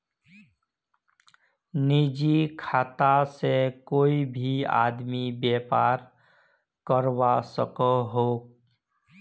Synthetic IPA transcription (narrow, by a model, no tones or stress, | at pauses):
nid͡ʒikʰaːt̪asekoːibʱia̰ːd̪mibjeːpaːɾ | kəɾwasəkəɦoːɡ